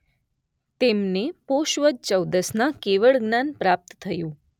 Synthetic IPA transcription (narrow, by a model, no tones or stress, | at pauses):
t̪emnepoʃʋəd̪̚t͡ʃəwd̪əsnakeʋəɭɡnanpɾap̚t̪t̪ʰːəjũ